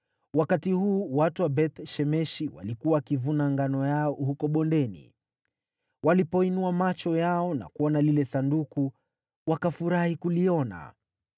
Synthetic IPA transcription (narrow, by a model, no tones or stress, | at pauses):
wakatihuːwatuwabɛt̪ʃɛmɛʃiwa̰likuwaːkivunaŋɡanɔjaɔhukɔɓɔndɛnḭ | walipɔinuamat͡ʃɔjaɔna̰kuwɔnalilɛsanduku | wakafuɾahikuliɔna̰